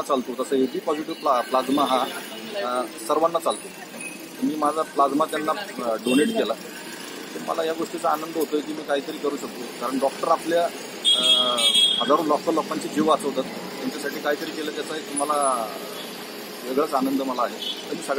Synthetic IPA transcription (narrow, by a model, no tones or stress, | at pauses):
at͡salt̪ot̪əsəɦed̪iːpɔd͡ziʈiʋpplad͡zmaɦa | səɾʋənːat͡salt̪o | t̪əmiːmad͡zʱaplad͡zmat̪janːaɖoneʈkela | t̪əɾmə̰lajaɡoʂʈit͡səanənd̪əɦot̪ojek̬iːmiːkaɦiːt̪əɾiːkəɾuːɕək̚t̪okaɾəɳɖɔk̚ʈəɾaplja | ɦəd͡zaɾulɔkəlːɔkaɲt͡ɕiːd͡ʑʱeʋasəɦot̪at̪̚ːjaɲt͡ɕasaʈʰiːkaɦiːt̪əɾiːkelət̪jat͡saɦet̪um̤ala | ʋeɡɭət͡sanənd̪ʱəməlaːɦet̪əɾmiːsəɡɭ